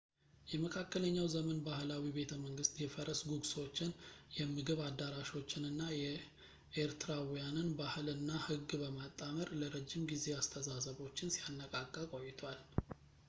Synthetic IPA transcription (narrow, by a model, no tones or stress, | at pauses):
jɛməkʰakːələɲːawzəmənbahlawibe̞t̪ʰəməŋɡɨst̪jɛfəɾʔəsɡuɡso̞t͡ʃːɪnjɛmːɨɡɨβad̪ːaɾaʃo̞t͡ʃːɪnɨnːajɛ | ʔeɾt̪ʰɨɾawjanɨnbahɨlɨnːahɨɡːbəmat̪ʼːaməɾləɾəd͡ʒːɪmɡize̞ast̪ʰəzasəβo̞t͡ʃːɪnsijanːəkʼakʼːəkʼo̞jːɪt̪ʰwal